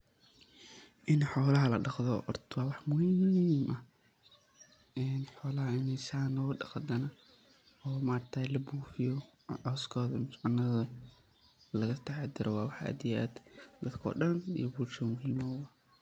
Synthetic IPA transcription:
ʔɪnħɔːlɐɦɐlɐɖɑqðɔʔɔrt̪ʰwɑːwɑħmʊhimːmʔɐh | ɛːnħɔːlɐɦɐɪnɛsaːnɔːɖɑqd̪ɐnɐ | ɔːmaːrt̪ʰaːlɐbuːfɪjɔ | ʕɔskʰɔːðɐmʊsʕʊnːɐðɐ | lɐɣɐt̪ʰɐħɑd̪ɪɾʔɔwɑːwɑħa̰ːd̪ɪjaːd̪d̪ɐt̪kʰɔ̰ːɖɐnḭjɔbuːlʃɐmʊɦiːmɔːɐ

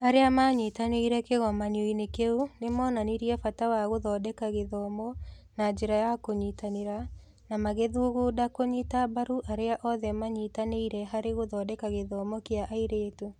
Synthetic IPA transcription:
aɾeamaɲitaneiɾɛkeɣɔmanioinekeunemɔːnaniɾiɛfatawaɣoðɔdɛkaɣeðɔmɔ | nad͡ʒeɾajakoɲitaneɾa | namaɣeðuːɣudakoɲitabaɾuʔaɾeaʔɔðɛmaɲitaneiɾɛɦaɾeɣoðɔdɛkaɣeðɔmɔkeaʔaiɾeːto

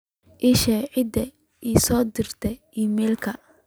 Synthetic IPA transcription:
ʔiʃɛːʕɪd̪ɛ | iːsɔːd̪ɪrt̪ʰɛʔiːmɛːlkʰɐ

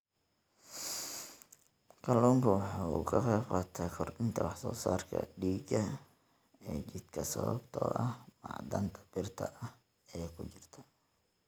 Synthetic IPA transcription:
kʰɐluːŋkʰʊwɑħuːkʰɐqɛːfɐt̪ʰɛjkʰɔrʔɪnt̪ʰɐwɑħsɔ̰ːsaːrkʰɐ̰ɖiːɡɐ | ɛːt͡ʃɪd̪kʰɐsɐβɐ̰bt̪ʰɔ̰ːʔɐhmɑ̰ʕd̪ɐ̰nt̪ʰɐ̥b̥ɪrt̪ʰɐʔɐh | ɛːkʰʊt͡ʃɪrt̪ʰɐ̥

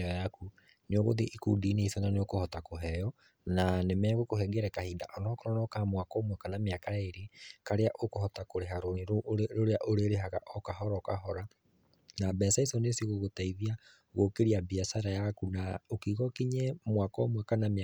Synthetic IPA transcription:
jaku | neoɣoðeʔikudineisɔnaneokohɔtakoɦɛjɔ | nanemɛɣokoɦɛɡɛɾɛkahida̰ʔɔnɔkɔɾɔnɔkamwakɔːmwakanameakaeɾikaɾeaʔokohɔtakoɾeɦaɾonɾoɾoɾeaʔoɾeɾeɦaɣa̰ʔɔkaɦɔɾɔkaɦɔɾa | nabɛsaisɔnesiɣoɣotaiðia | ɣokeɾiabiasaɾajakunaokiːɣɔkiɲɛmwakɔmwakaname

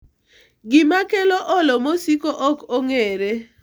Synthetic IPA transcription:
ɡɪmakeloʔɔlɔmosikoʔɔkoŋeɾe

